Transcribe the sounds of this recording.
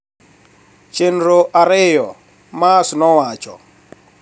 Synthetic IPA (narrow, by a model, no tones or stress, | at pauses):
t͡ʃenɾoʔaɾejɔ | masʊnɔwaːt͡ʃʼɔ̰